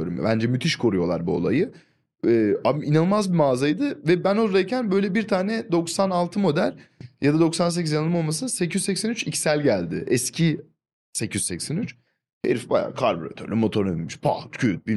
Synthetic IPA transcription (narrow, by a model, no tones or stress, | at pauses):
oɾṵmbænd͡ʒɛmyt̪ʰiʃkʰo̞ɾujo̞lˠa̰ɾbuo̞̰lˠa̰jɯ | ɛːainanɯmazbimaːzajd̪ɯvɛbænoɾd̪ajcʰænbø̞jlʲɛbiɾt̪ʰaːnɛd̪o̞ksanalˠt̪ʰɯmo̞d̪ælʲjad̪ad̪o̞ksans̬ecizjanɯlˠmo̞lˠmas̬ɯnsecʰyzsɛcsɛnyt͡ʃicʰsælʲɟælʲd̪ɪ̰ʔɛscʰi | sɛcʰyzsɛcsɛnyt͡ʃ | hḛɾifbaja̰ːkʰaɾboɾa̰t̪ʰøɾlʲymo̞t̪ʰo̞ɾned̪ilmiʃpʰa̰t̪cʰyt̪̚bi